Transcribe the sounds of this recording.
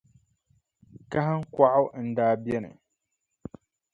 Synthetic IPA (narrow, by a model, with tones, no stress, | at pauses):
ka˦ɦa˦ŋ˦kʷa˦ʔʊ˦wn̩˦daː˦bjɛ˦nɨ̰˨